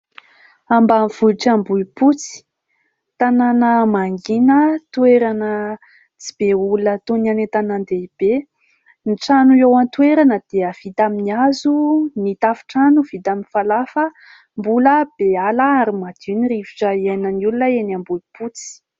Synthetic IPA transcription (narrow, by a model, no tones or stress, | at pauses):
ambamiv̥uiʈ͡ʂambuiput͡si̥ | t̪ananəmaŋɡinət̪ueɾanə | t͡si̥b̥eulunət̪onanet̪anand̪eib̥e | niʈ͡ʂanuewant̪weɾanəd̪̥eəv̥it̪aminiazunit̪afi̥ʈ͡ʂanuv̥it̪aminfalafə | mbuləb̥ealəaɾimad̪̥iniriviʈ͡ʂəienənulunəenambuiput͡si̥